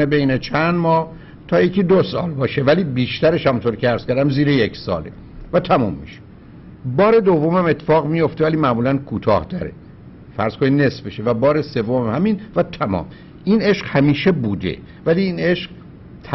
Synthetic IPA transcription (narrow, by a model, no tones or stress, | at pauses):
ebe̞jne̞t͡ʃʰænd̪mɒːh | t̪ʰɒːjecʰiːd̪osɒːlbɒːʃe̞væliːbiːʃt̪æɾe̞ʃhæmunt̪oɾcʰʲeæɾz̥kʰʲæɾd̪æmziːɾejecsɒ̰ːlḛ | væt̪ʰæmṵmːḭʃe̥ | bɒːɾe̞d̪ovːo̞mæmet̪ʰːe̥fɒːɣmijo̞ft̪eæliːmæʔmuːlænkʰuːt̪ʰɒ̰ːhd̪ɒ̰ɾḛ | fæɾz̥kʰo̞nid̪ne̞sfbeʃevæbɒːɾe̞se̞vːomæhæminvæt̪ʰæmɒ̰ːm | ʔine̞ʃqhæmiːʃe̞buːd̪e̞̰ | væliːne̞ʃɢ | t̪ʰ